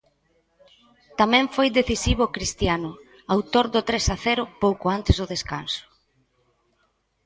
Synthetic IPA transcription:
t̪amɛ̃ɱfojd̪eθisiβ̞ʊkɾist̪janʊ | awt̪oɾd̪ʊt̪ɾesaθɛɾʊpowkʊant̪ɪzðʊðeska̰nsʊ̥

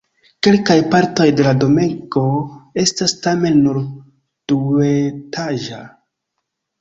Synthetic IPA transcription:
ke̞lkajpaɾto̞jde̞lado̞meŋko̞e̞stastame̞nːuɾ | d̥uetʰaʒa

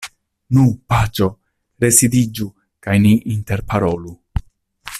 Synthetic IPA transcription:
nupat͡ʃo̞ | ɾe̞sidid͡ʒu | kajniʔinte̞ɾpaɾo̞lu

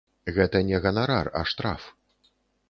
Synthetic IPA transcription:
ɣɛt̪ɐnʲɛɣɐnaɾarɐ̰ʂt̪ɾa̰f

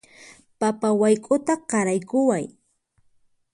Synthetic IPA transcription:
papawajkʼʊt̪aqɑɾajkʊwaj

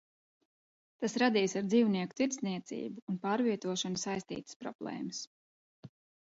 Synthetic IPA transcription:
t̪asɾad̪iːsaɾd̪ziːwniɛku̥t̪iɾt̪sniɛt̪sḭːbuːnpaːɾviɛt̪uɔʃɔnusajst̪ḭːt̪ə̥spɾɔ̰b̥lˠɛ̰ːməs

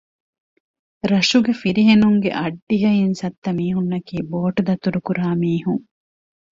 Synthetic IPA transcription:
ɾɐʂuɡefiɾiɦenuŋɡḛʔɐɖːiɦɐinsɐt̪ːɐmiːɦunːɐkiːboːʈd̪ɐt̪uɾukuɾaːmiːɦuŋ

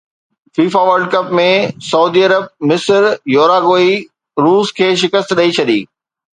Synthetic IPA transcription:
fiːfaʋɐɾɖ̚kɐpmẽsɐuːd̪iɐɾəb̚mɪsɾjoːɾaːɡoːi | ɾuːskʰeːʃɪkəst̪ɗɐit͡ɕʰɐɗḭː

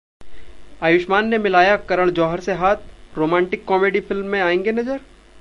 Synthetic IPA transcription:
aːjʊʃmaːnːemɪlaːjakɐɾəɽ̃d͡ʒɔːɦəɾseɦaːt̪̚ʰɾoːmɛ̃ːɳʈɪkːɔːmeːɖifʰɪlmːẽaːẽːŋɡenɐd͡ʒəɾ

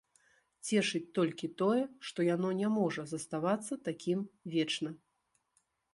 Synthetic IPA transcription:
t͡sʲɛʂɨt͡sʲt̪ɔlʲkʲit̪ɔjɛʂt̪ɔjan̪ɔnʲɛmɔʐɐzɐst̪avat̪sːɐt̪akʲʰimvʲɛt͡ʂnɐ

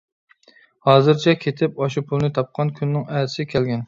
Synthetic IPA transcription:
hɑːzɨɾt͡ʃʰɛkʲʰet̪ʰɪpɑʃupʰulˠnɪt̪ʰɑp̚qʰɑnkʲʰynːɪŋæɾɪsɪkʲʰɛlɡʲɛn

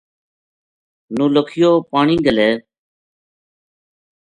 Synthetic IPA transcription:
nũːləkʰɪjoːpaːɳĩːɡəleː

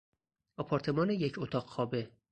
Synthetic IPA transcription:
ɒpʰɒɾt̪ʰe̞mɒːnejecʰot̪ʰɒːɢxɒːbe

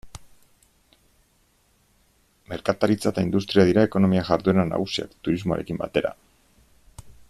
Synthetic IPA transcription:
me̞ɾkat̪aɾit͡sat̪aind̪ust̪ɾiað̞iɾae̞ko̞no̞miaʝaɾðue̞nana̰ɣ̞usia̰kt̪uɾizmo̞a̰ɾe̞kimbat̪e̞ɾa̰

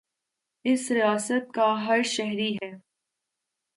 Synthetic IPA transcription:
ɪsɾijaːsət̪̚kaɦɐɾʃɛɦɾiɦɛː

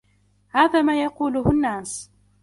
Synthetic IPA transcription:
haːðaːmaːjɑquːlʊhʊnːaːs

